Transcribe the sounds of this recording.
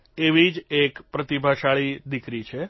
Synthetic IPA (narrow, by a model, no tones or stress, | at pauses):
eʋid͡ʒekpɾət̪ibʱaʃaɭid̪ikɾit͡ʃʰe